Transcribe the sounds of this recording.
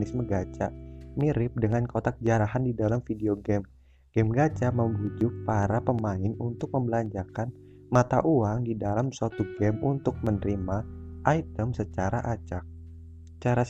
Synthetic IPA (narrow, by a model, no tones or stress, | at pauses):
ɪsməɡat͡ʃamiɾɪp̚dəŋankot̪akəd͡ʒaɾaɦandidalamfideoɡɛm | ɡ̥ɛmɡat͡ʃaməmbud͡ʒʊk̚paɾapəmaɪnunt̪ʊk̚məmbəlaɲd͡ʒakan | mat̪aʔuaŋdidalamswat̪uɡɛmunt̪ʊk̚mənəɾimaʔajt̪əmsət͡ʃaɾaʔat͡ʃak̚ | t͡ʃaɾas